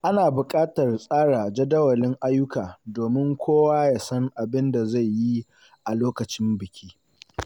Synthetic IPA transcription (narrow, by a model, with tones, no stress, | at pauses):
ʔa˦naː˨bʊ˨kʼaː˦tɐ˨rsʼaː˦ɽa˨d͡ʒɐ˦dɐ˦wɐ˨lɪ˦ŋʔa˦jːʊ˦kaː˨doː˨mɪ˦ŋkʷʰoː˦waː˦jaː˨sɐ˦ŋʔa˨bɪ˦nda˨za˦˨jji˦ | ʔa˨loː˦kɐ˨t͡ʃɪ˦mbɪ˨kʲiː˦